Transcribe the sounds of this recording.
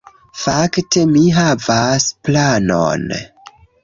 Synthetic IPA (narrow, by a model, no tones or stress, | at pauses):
fakte̞miɦavasplano̰n